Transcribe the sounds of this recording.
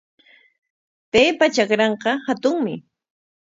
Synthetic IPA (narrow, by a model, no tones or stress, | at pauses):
tajpat͡ʃakɾɑɴqɑhat̪ʊŋmɪ